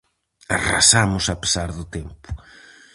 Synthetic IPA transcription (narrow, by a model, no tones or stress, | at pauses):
ara̰samʊsape̥saɾðʊt̪empʊ̥